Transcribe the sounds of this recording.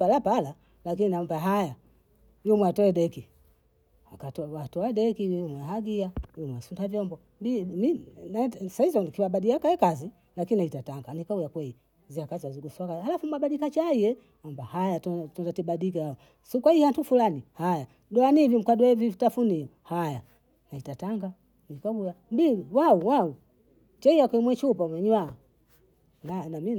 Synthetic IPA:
alapala | lakininambaɦaja | jumwɛatɔɛdɛki | hakatɔatɔadɛkijumwɛɦaɡiajumwɛsundavjɔmbɔ | biminasaizɔnkiwabaɗiakaɛkazi | lakininaitataŋɡanikaujakwɛi | ziakaziaziɡusakahalafumuabaɗikat͡ʃaijɛ | ambahajattɔndatiɓaɗikaaɔ | sukwaihantufulanihaja | dɔanivim̩kadɔɛvitafunijɔhaja | naitataŋɡa | nikaujambiwauwau | tɛijakwɛimwɛt͡ʃupamwɛɲwa | nanami

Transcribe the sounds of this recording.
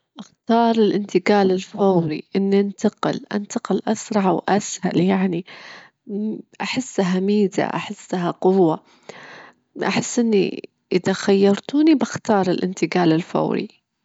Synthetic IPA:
ʔaxt̪ɑːɾˤɪlʔɪnt̪ɪɡaːlɪlfawɾḭʔɪnːiʔant̪ɑqɪ̰lʔa̰nt̪ɑqɪlʔasɾˤɑʕwʔasha̰ljaʕni | ʔaħɪsːaɦamiːza̰ʔa̰ħɪsːaɦaqʊwːa | ʔaħɪsːʔɪnːḭ | ʔɪðaxajːɑɾˤt̪unibaxt̪ɑːɾˤɪlʔɪ̰nt̪ɪɡaːlɪlfa̰wɾḭ

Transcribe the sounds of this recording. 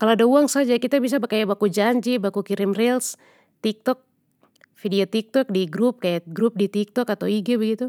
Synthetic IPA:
kaloadauaŋsad͡ʒakit̪abis̬abakajabakud͡ʒaɲd͡ʒibakukiɾimrɛls | t̪ik̚t̪ɔk̚ | fidiɔt̪ik̚t̪ɔk̚diɡɾup̚kajaɡɾup̚dit̪ik̚t̪ɔkat̪awiɡɛbəɡit̪u

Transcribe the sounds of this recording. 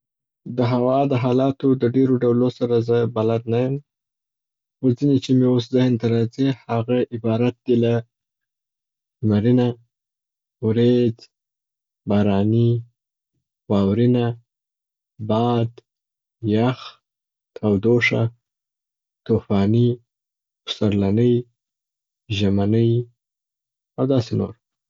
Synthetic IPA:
d̪əɦawɑd̪əɦɑlɑt̪od̪əɖeɾoɖawlosaɾazəbalad̪najəm | xozinet͡ʃemeos̬zɪhnt̪aɾɑzihaɣaʔɪbɑɾat̪̚d̪ila | maɾina | wɾed͡z | bɑɾɑni | bɑwɾina | bɑd̪ | jax | t̪ʰawd̪oʂa | t̪ofɑni | pʊ̥saɾlanəj | ʒamanəj | awd̪ɑseno̰ɾ

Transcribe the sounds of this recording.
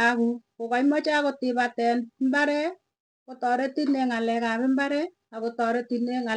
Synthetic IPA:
akukokaimɔt͡ʃakotɪbatɛnmbaɾɛ | kotɔɾɛtineŋalɛkaβembaɾɛ | akotɔɾɛtineŋa

